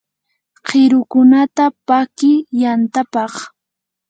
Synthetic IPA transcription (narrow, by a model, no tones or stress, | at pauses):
qɪɾʊkʊnat̪apakɪjant̪apɑχ